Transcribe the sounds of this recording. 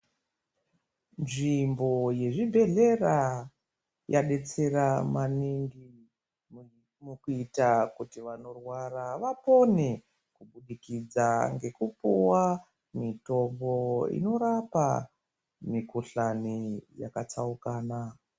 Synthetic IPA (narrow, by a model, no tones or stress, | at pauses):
nʐimbo̞je̞ʐibʱe̞ɮe̞ra | jaɗe̞t͡se̞ramaniŋɡi | mukuitakutiʋano̞rwaraʋapo̞ne | kuɓuɗikid͡zaŋɡe̞kupuwa | mito̞mbo̞ḭno̞ɾapa̰ | mikuɬanija̰kat͡saukaːna